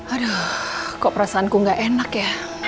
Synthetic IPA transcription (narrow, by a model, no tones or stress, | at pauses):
aɾəkɔʔpəɾasaːnkuŋɡaʔenakja